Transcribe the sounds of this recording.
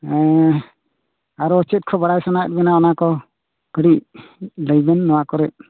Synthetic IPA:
ɛ | aɾɔːt͡ʃɛt̪̚kʰɔbaɽajsanaɛ̰t̪̚bɛnaɔnakɔ | kəɽiʔləjbɛnːɔwakɔɾɛʔ̚

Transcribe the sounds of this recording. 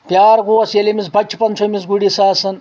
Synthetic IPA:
pjaːɾɡoɐsjelemisbɐt͡ʃʲt͡ʃʰpɐnt͡ʃʰomisɡuɽisaːsɐn

